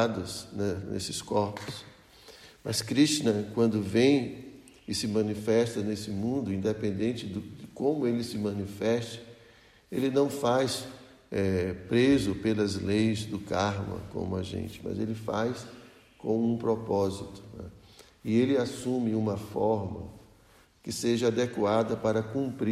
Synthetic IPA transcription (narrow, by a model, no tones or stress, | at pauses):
ad̪ɐsnɛnḛsɪskɔɾpʊ̥s | mɐskɾiʃt͡ʃinɐ̃kwɐ̃nd̪ʊvẽj̃ | ɪsɪmɐ̃nifɛst̪ɐnesɪmũnd̪ʊĩnd̪epẽnd̪ẽnt͡ʃɪd̪ʊd̪ɪkõmʊelɪsɪmɐ̃nifɛst̪ɐ̥ | elɪnɐ̃w̃fajs | ɛpɾezʊpelɐzlejzd̪ʊkaɾmɐ̰̃kõ̰mʊaʒḛ̃nt͡ʃɪ̥mɐ̰zelɪfa̰js | kõw̃ũpɾɔpɔzit̪ʊ̥nɛ̰ | ɪelɪasũmɪũmɐfɔɾmɐ̰ | kɪseʒɐad̪ɛkuad̪ɐpaɾɐkũpɾi